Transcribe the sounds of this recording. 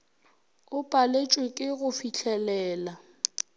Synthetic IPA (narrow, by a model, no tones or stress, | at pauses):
ʊpʼalet͡ʃʼwekʼɪɣʊfiɬʰɛlɛːla